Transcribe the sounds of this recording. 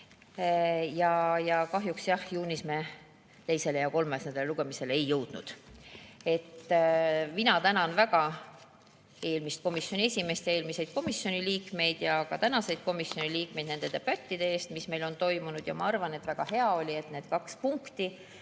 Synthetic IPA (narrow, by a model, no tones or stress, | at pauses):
jɑjɑkɑɦjuksjɑhjuːnisme | t̪e̞jse̞le̞jɑko̞lmesnend̪eleluɡ̥e̞mise̞leejːɤwd̪̥nṵd̪̥ | e̞t̪ː | minɑt̪ænɑnvæɡ̥ɑ | e̞ːlmist̪̚ko̞misjo̞nʲie̞sʲime̞st̪jɑe̞ːlmise̞jd̪̥ko̞misːjo̞niliːkme̞jd̪̥jɑkɑt̪ænɑse̞jd̪̥̚ko̞misjo̞nʲiliːk̚me̞jd̪nend̪̥e̞t̪e̞pæt̪ʲːid̪̥e̞eːst̪misme̞jlo̞nt̪o̞jmunud̪̥jɑ̰mɑɑrvɑne̞t̪ːvæɡ̥ɑhe̞ɑo̞lʲie̞t̪ne̞ːd̪̥kɑkspuŋkt̪i